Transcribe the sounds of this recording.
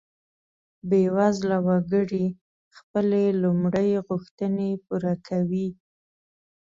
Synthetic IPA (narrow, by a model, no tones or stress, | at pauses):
bewazlawaɡəɽi | xpəlelumɽəjɣʊxt̪ənepuɾakʰawi